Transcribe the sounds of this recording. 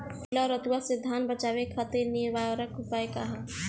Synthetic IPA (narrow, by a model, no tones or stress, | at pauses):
laɾət̪uwasɪd̪ʱanbət͡ʃawekʰat̪enibaɾəkupaekaɦa